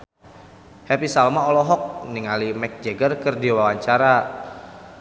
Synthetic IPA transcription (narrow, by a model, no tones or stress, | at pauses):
hɛpisalmaɔlɔɦɔk̚niŋalimɛk̚d͡ʒeɡərkərdiwawaɲt͡ʃaɾa